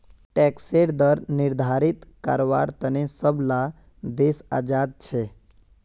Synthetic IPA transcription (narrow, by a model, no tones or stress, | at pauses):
ʈɛkseɽd̪əɾnɪɾd̪ʱaɾit̪ka̰ɾoʋa̰ɾt̪ənesəbla | d̪esa̰d͡ʒad̪̚t͡ʃʰe